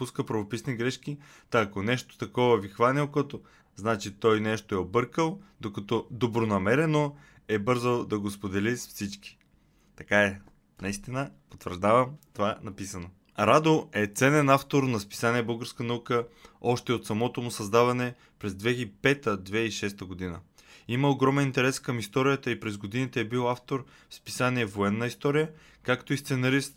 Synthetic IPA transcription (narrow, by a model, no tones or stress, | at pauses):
puskəpɾɐvopisniɡɾɛʃk̟i | t̪ɐːkonɛʃt̪o̥t̪ɐkɔvɐvixvanʲilˠkɔt̪o | znat͡ʃit̪ɔjnɛʃt̪oɛobɤɾkəlˠd̪okɐt̪ɔd̪obɾonɐmɛɾɛno | ɛbɤɾzəd̪ɐɡospod̪ɛlisfsit͡ʃki̥ | t̪ɐkaɛ | nɐist̪inəpot̪vəɾʒd̪avɐmt̪ovanɐpisəno | ɾad̪oɛt̪sɛnɛnaft̪oɾnɐspi̥saniɛbɤlˠɡəɾskənɐukəɔʃt̪ɛot̪sɐmɔt̪omʊsɐzd̪avɐnɛ | pɾɛzd̪vɛɣipɛt̪əd̪vɛiʃɛst̪əɡod̪inə̰iməoɡɾɔmɛnint̪ɛɾɛskəmist̪ɔɾijət̪əipɾɛzɡod̪init̪ɛːbilˠaft̪oɾ | fspi̥saniɛvoɛnːəist̪ɔɾijə | kakt̪oist̪sɛnɐɾist̪